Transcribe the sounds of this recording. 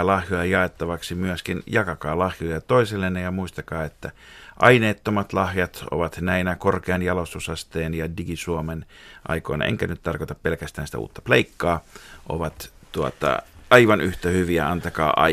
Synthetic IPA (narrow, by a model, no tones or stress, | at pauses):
lɑhjojɑjɑet̪ːɑʋɑksimyæskinjɑkɑkɑːlɑhjojɑt̪oiselːenːejɑmuist̪ɑkɑːet̪ːæ | ʔɑineːt̪ːomɑt̪lɑhjɑt̪o̰ʋɑt̪næinækorkeɑnjɑlosusɑst̪eːnjɑdiɡisuomenʔɑ̰iko̰nɑ̰ʔḛŋkænyt̪t̪ɑrkot̪ɑppelkæst̪æːnsit̪æ̰ṵːt̪ːɑ̥pleikːɑːʔo̰ʋɑt̪t̪uot̪ɑ̰ɑiʋɑnʔyht̪æhyʋiæɑnt̪ɑkɑ̰ːʔɑ̰